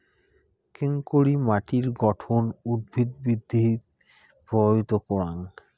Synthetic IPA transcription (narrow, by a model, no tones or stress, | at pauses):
keŋkoɾimaʈiɾɡɔʈʰonud̪̚bʱid̪̚bid̪ʱːi | pɔit̪okɔɾaŋ